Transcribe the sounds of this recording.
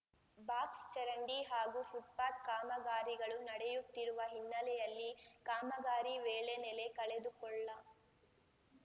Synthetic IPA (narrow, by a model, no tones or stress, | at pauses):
baːkst͡ʃɐɾɐɳɖiɦaːɡusuʈ̪̚paːt̪kaːmɐɡaːɾiɡɐɭunɐɽɛjut̪ːiɾuʋɐɦinːɐlɛjɐlːikaːmɐɡaːɾiʋeːɭenɛle̞kɐɭed̪ukɔɭːɐ